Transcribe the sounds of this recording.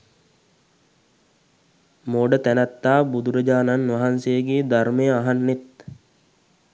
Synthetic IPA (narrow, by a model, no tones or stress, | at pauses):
moɖət̪ænat̪ːaːbud̪uɾəd͡ʒaːnanʋaɦansejəɡeːd̪armejəaɦanːet̪